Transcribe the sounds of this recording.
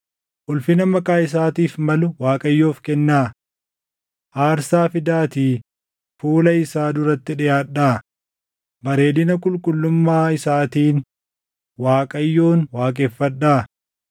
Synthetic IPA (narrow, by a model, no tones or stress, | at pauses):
ʔʊlfɪnɐmɐkʼaːɪs̬aːt̪iːfmɐlʊwaːkʼɐjːo̞ːfkɛnːaː | ʔaːɾsaːfɪd̪aːt̪iː | fuːlɐɪsaːd̪ʊɾɐt̪ːɪᶑɪjaːᶑːaː | bɐɾe̞ːd̪ɪnɐkʼʊlkʼʊlːʊmːaːɪsaːt̪iːn | waːkʼɐjːo̞ːnwaːkʼeːfːɐᶑːaː